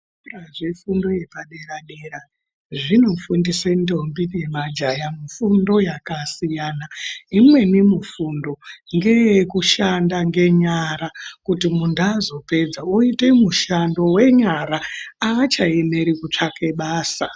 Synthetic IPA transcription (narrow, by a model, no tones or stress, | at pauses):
raʐifundo̞jepaɗe̞ɾaɗe̞ɾa | ʐino̞fundisendo̞mbine̞mad͡ʒajamufundo̞jakasijanaimwe̞nemufundo̞ŋɡe̞jekuʃandaŋɡe̞ɲaɾakutimundazo̞pe̞d͡zaoite̞muʃando̞we̞ɲaɾaaːt͡ʃae̞me̞ɾikut͡ʂake̞ɓaːsa